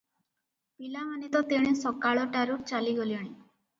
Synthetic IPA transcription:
pilamanit̪ɔt̪eɽ̃esɔkaɭɔʈaɾuɾ̚t͡ʃaliɡoliɔɽ̃i

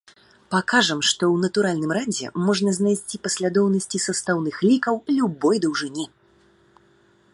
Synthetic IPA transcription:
pakaʐɐmʂt̪ɔwnɐt̪uɾalʲnɨmɾad͡zʲɛ̰mɔʐnɐznajsʲt͡sʲipɐsʲlʲad̪ɔwnɐsʲt͡sʲisɐst̪awnɨxlʲikɐwlʲubɔjd̪ɐwʐɨnʲɛ

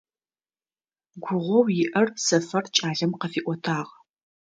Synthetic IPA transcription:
ɡʷʊʁʷɔwjɪʔɐrsɐfɐrt͡ʃʼaːɮɐmqɐfiːʔʷɔtʰaːʁ

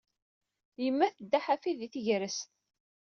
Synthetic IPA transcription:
jəmːæθəd̪ːaħafiðiθəʝɾəsθ

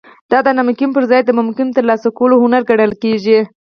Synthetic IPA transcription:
d̪̥ɑd̪ənamkɪmpəɾzɑjd̪əmʊmkɪnt̪əɾlɑsakolohʊnaɾɡaɽəlkeʒi

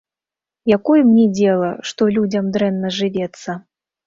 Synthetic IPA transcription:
jakɔjɛmnʲɛd͡zʲɛlˠɐʂt̪ɔlʲud͡zʲɐmd̪ɾɛnːɐʐɨvʲɛt̪sːɐ

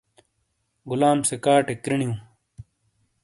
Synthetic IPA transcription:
ɡulaːmsekaːʈekɾiɳijũː

